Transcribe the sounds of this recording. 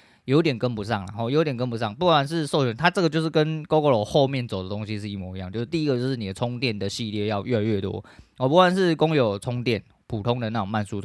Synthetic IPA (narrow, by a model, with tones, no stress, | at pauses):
jo˧˥ʊ˥t̪jɛ˨˩nkə˦npu˧˥sɑ˥˩ŋla˨˩xɔ˥˩jo˧˦˥t̪jɛ˨˩nkə˦˥np̬u˧˥sɑ˥˨ŋpu˥˩kwa˨˩nʂ̬ɻ̩˥˧so˥˧ʊɕɛ˨˦nt̪ʰa˦˥ʈ͡ʂə˥˩ɡə˩t͡ɕjʂɻ̩˥˩kə˦nko˥ʊko˧˥lɔ˨˩xo˥˧ʊmjɛ˥˨nt͡so˨˩d̪ə˩t̪o˦ŋɕi˦ʂɻ̩˥˧i˥˩mɔ˧˩i˧˦jɑ˥˨ŋt͡ɕjo˥˧ʊʂ̩˥˧t̪i˥˧i˦˥ɡə˨˧t͡ɕo˥˧ʊʂɻ̩˥˩ni˨˩d̪ə˩t͡sʰʊ˦˥ŋt̪jɛ˥˩nd̪ə˩ɕi˥˧ljɛ˥˧jɑ˥˧ʊʔɥɛ˥˧˩a˥˧ɥɛ˥˩t̪wɔ̰˦ɔ˨˩p̬u˥˩wa˨˩nʂɻ̩˥˩kʊ˦˥ŋjo˨˩ʊt͡sʰʊ˧˥ŋt̪jɛ˥˩n | pʰu˨˩t̪ʰʊ˦ŋd̪ə˨na˥˩˨ŋma˥˩nsu˥tʰ